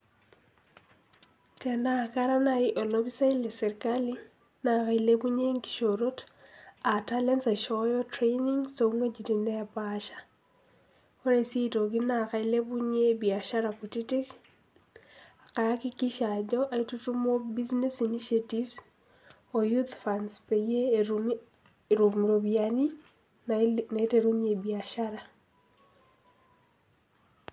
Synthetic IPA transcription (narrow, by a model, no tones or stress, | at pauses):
tenakaɾanaiʔolobisaileseɾkali | nakailebuɲeŋki̥ʃoɾot | atalensaʃojɔtɾejniŋsoŋwed͡ʒitindajapaʃḁ | koɾesitok̬inakailebuɲebiaʃaɾakutitik | akajakikiʃad͡ʒɔʔaitutumobiznɛsiniʃativs | ojut̪fanspeje | ɾumuɾoβiani | naeteɾuɲebiaʃaɾa